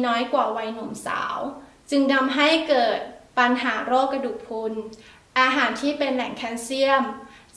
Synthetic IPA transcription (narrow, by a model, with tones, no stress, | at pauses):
nɔː˦˥jkwaː˨˩wa˧jno˩˦msa̰ː˩˦w | t͡ɕɯ˧ŋda˧mɦa˥˩jkɤː˨˩t̪̚pa˧nɦaː˩˦ɾoː˥˩kːa˧duː˨˩k̚pʰu˧n | ʔaː˧ɦaː˩˦nt̪ʰiː˥˩pe˧nlɛ˨˩˦ŋkʰɛ˦˥nsi˥˩əm